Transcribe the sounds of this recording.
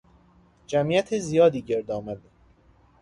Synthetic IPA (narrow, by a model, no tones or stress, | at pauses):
d͡ʒæmiːæt̪ʰezijɒːd̪iːɟe̞ɾd̪ɒːmæd̪